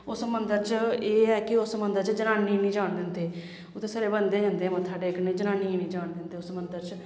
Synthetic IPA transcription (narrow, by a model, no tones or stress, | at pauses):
ʊːsəmənd̪əɾt͡ʃeːɛːkɪʊsəmənd̪əɾt͡ʃd͡ʒənaːniːnĩːd͡ʒaːɳd̪ɪːnt̪ʰeː | ʊt̪eːsəɾeːbənd̪eːd͡ʒãːnd̪ẽːmə̃t̪ʰaːɖeːknẽːd͡ʒənaːniːnĩːd͡ʒaːɳd̪ɪnt̪eːʊsəmənd̪əɾt͡ʃ